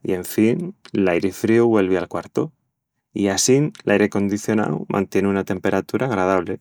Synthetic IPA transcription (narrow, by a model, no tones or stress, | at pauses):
ḭe̞ɱfinlajɾefɾiuβwe̞lβealkwaɾt̪o | iasinlʔajɾe̞ko̞nd̪iθjo̞na̰wmʔã̰nt̪je̞neunat̪e̞mpe̞ɾat̪uɾʔaɣ̞ɾað̞aβ̞le